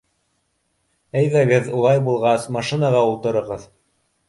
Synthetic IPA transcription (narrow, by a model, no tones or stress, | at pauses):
æjðæɡɘðulˠɑjbulˠʁɑsmɑʃinɑʁɑulˠt̪ɤ̆ɾɤ̆ʁɤð